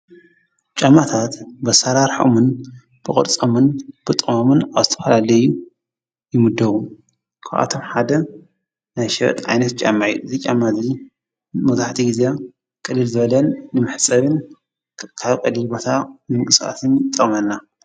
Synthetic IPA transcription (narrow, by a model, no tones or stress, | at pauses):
t͡ʃʼamːat̪ʰat̪bɐsaɾaɾħo̰mɨn | b̥ɨkʼɐ̰ɾt͡sʼɐmɨnb̥ɨt̪ʼɨmomɨnaβzɨt̪ʰɐ̥fɐlalɐju | jɪmɨd̪ɐβu | kʰa̰ʔa̰t̪ʰo̞mħad̪ɐ | najʃɐβɐ̰t̪ʼʕa̰jnɐt̪̚t͡ʃʼa̰mːaʕjuɨzit͡ʃʼamːazi | mɐzaħt̪ʰiɡize | kʼɨlːɨlzɨβɐlɐnːɨmɨħt͡sʼɐβɨn | kʰaβkʼɐlilbo̞t̪ʰanɨmɨŋkʼɨsʔa̰t̪ʰɨnt̪ʼɐχʼmɐnːa